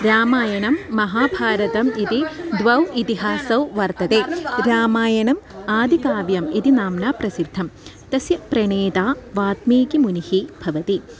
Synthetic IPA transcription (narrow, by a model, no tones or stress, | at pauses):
ɾaːmaːjɐnɐmːɐɦaːbʱaːɾɐt̪ɐmit̪id̪ʋɐwit̪iɦaːsɐwʋɐɾt̪ɐt̪eːɾaːmaːjɐnɐmaːd̪ʱikaːʋjɐmit̪inaːmnaːpɾɐsid̪ʱːɐm | t̪ɐsjɐpɾɐɳeːt̪aːʋaːt̪miːkimunihibʱɐʋɐt̪i